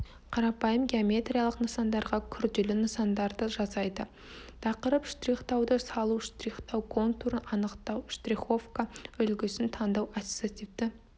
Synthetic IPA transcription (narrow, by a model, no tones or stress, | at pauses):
qʰɑɾɑpɑjəmɡʲeomʲe̞t̪rʲijalˠəqnəsɑnd̪ɑɾʁɑkʲʰʏɾd̪elɪnəsɑnd̪ɑɾd̪əʒɑzɑjd̪ə | t̪ʰɑqəɾəpʃt̪riχt̪ɑwd̪əsɑlˠuʃt̪riχt̪ɑwkʰo̞nt̪uɾənʔɑnəqt̪ɑwʃt̪riχo̞fkaʏlɡʲɪsɪnt̪ʰɑnd̪ɑwḁt̪at̪ivd̪ɪ